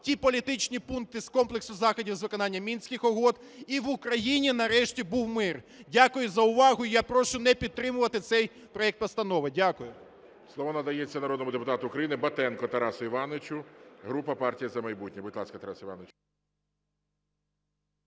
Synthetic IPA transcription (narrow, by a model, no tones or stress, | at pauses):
tʲipɔlʲit̪ɪt͡ʃnʲipunk̚t̪ɪskɔmplˠeksʊzɑxɔdʲiwzʋɪkɔnɑnʲːɐmʲinsʲkʲɪxɔɦɔd̪ | iʋʊkɾɐjinʲinɐɾɛʃtʲibuwmɪr | dʲakʊjʊzɐʊʋɑɦʊijapɾɔʃʊnɛpʲid̪̚t̪ɾɪmʊʋɐt̪ɪt̪sɛj | pɾɔɛk̚t̪pɔst̪ɐnɔʋɪdʲakʊjʊ | slˠɔʋɔnɐd̪ɐjet͡sʲːɐnɐɾɔd̪nɔmʊd̪epʊt̪ɑt̪ʊʊːkɾɐjinɪbɐt̪ɛnkɔt̪ɐɾɑsʊiʋɑnɪt͡ʃʲʊɦɾupɐpɑrtʲijɐzɐmɐjbutʲnʲibʊt̪ʲlˠɑskɐt̪ɐɾɑsiʋɑ̰net͡ʃ